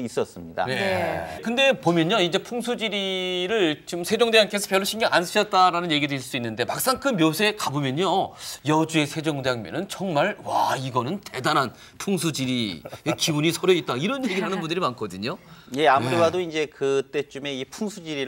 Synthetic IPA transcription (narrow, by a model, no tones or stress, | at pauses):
is͈ʌs͈ɯmɲida̰nekɯnde̞pomjʌɲjoid͡ʑe̞pʰuŋsʰud͡ʑiɾiɾɯɭt͡ɕomsʰe̞d͡ʑʌŋdeankʰesʰʌpjʌɭːoɕʰiŋɡʌŋansʰɯd͡ʑʌt̚t͈aɾanɯnje̞ɡidɯiɭs͈uinːɯnde̞mak̚s͈aŋkʰɯnmjosʰe̞kabomjʌɲojʌd͡ʑue̞sʰe̞d͡ʑʌŋd͡ʑaŋmjʌ̰nɯnt͡ɕʌŋmaɭwaiɡʌnɯnte̞danɦan | pʰuŋsʰud͡ʑiɾiekibuɲisʰʌɾjʌit̚t͈aiɾʌnjeɡiɭɦanɯnbundɯɾimankʰʌdɯɲoje̞amuɾiwadoind͡ʑe̞kɯt͈e̞t͡ɕ͈ume̞ipʰuŋsʰud͡ʑiɾiɾ